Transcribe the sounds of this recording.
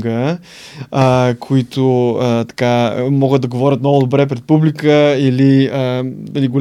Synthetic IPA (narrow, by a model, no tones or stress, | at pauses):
ɡə | əkʰoit̪ʊət̪ɐ̥kamɔɡət̪̚d̪ɐɡovɔɾʲət̪mnɔɡʊd̪obɾɛpɾɛt̪̚publikəiliəiliɡol